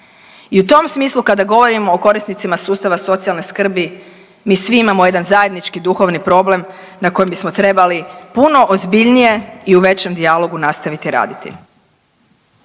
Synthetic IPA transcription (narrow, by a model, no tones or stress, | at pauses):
iut̪o̞msmiːslˠukad̪aɡo̞ʋo̞ɾimo̞ːko̞ɾisnit̪simasuːst̪aʋaso̞t̪sialˠneskr̩bi | miːsʋiimamoje̞d̪anzaje̞d̪nit͡ʃkid̪uxo̞ʋnipɾo̞ble̞m | nako̞jembismo̞t̪ɾe̞balipuno̞ʔozbiʎnije̞iuʋe̞t͡ɕe̞md̪ialo̞ɡunast̪aʋit̪iɾa̰ːd̪it̪ḭ